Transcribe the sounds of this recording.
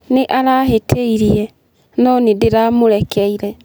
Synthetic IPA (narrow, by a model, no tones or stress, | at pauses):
neʔaɾaɦetʰeiɾiɛ | nɔnedeɾamoɾɛkʰɛiɾɛ